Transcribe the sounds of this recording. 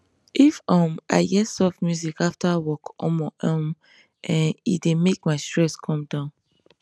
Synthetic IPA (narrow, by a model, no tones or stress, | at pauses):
ʔifɔ̃ma̰ɪɡɛsɔfmjuzikaftawɔkɔ̰̃mɔʔɔm | ʔɛ̃nḭtdemek̚maɪstɹɛskʰɔ̃mdãʊ̃n